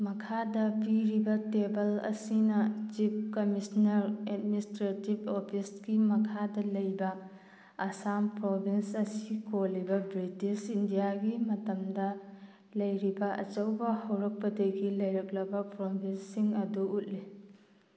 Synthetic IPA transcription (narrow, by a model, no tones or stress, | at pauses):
mɐkʰadɐpiɾibɐtebɐlɐ̰sinɐt͡ʃip̚kɐmisnɐɾet̚ministɾetibopʰisɡimɐkʰadɐlɐjbɐː | sampɾobinsɐsikolibɐbɾitisindijaɡimɐtɐmdɐ | lɐjɾibɐʔɐ̰t͡ʃɐwbɐhɐwɾɐk̚pɐdɐɡilɐjɾɐk̚lɐbɐpɾobʱinsiŋɐduut̚li